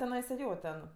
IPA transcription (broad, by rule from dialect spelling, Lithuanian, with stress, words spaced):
tʲɛˈnɐɪsɐ ˈjoː tʲɛn